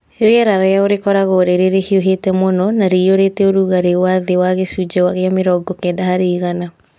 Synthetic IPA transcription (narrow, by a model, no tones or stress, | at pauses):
eɾeɛɾaɾajaoɾekɔɾaɣoɾeɾeɾehioɦetɛmonɔnaɾeoɾetɛoɾuɣaɾewaðewaɣesud͡ʒɛwaɣeameɾɔɡɔkɛːndahaɾeiɣana